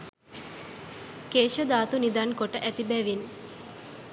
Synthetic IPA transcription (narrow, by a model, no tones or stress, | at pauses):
keːʃɐd̪aːt̪unid̪aːŋkoʈəʔæt̪ibɛːʋin